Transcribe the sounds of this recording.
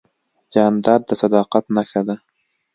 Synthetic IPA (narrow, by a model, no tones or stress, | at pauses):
d͡ʒɑːnd̪ɑːd̪̚ːəsad̪ɑːqat̪naxad̪a